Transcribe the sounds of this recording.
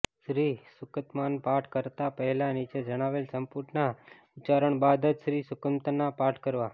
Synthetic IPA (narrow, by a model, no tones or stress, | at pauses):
ʃɾisʊkət̪manpaʈʰkəɾt̪apəɦɛlanit͡ʃed͡ʒəɽ̃aʋelsəmpuɾʈʰna | ʊt͡ʃaɾəɳbad̪əd͡ʒʃɾisʊkəmt̪ənapaɾʈʰkəɾʋa